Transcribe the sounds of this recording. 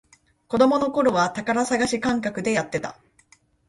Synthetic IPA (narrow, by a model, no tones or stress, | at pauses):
ko̞d̪o̞mo̞no̞ko̞ɾo̞βat̪akaɾasaɡaɕikãŋkakɯ̟d̪e̞jat̪ːe̞t̪a̰